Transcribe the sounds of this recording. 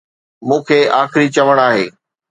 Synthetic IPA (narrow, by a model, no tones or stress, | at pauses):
mũːkʰeːaːxɪɾit͡ɕɐʋəɽ̃aːɦḛː